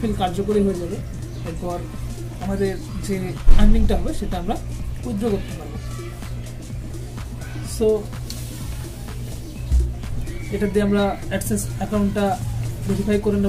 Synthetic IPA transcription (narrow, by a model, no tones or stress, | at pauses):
filkaɾd͡ʑokoɾiɦoed͡ʑabe | eɾpɔɾ | amad̪eɾ | d͡ʑeanmiŋʈaɦɔbeʃeʈaamɾaud̪ɾoɡot̪ːepabo | so | eʈad̪iamɾaɛksesɛkawɳʈʈːabeɾifʰajkoɾen